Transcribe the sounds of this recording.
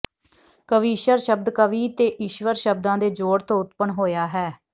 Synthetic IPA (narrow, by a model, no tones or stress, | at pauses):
kəʋiːʃəɾʃəb̚d̪kəʋiːt̪eːʔɪʃʋəɾʃəb̚d̪ãːd̪eːd͡ʒoːɽt̪õːʊt̪pənɦoːjaːɦɛː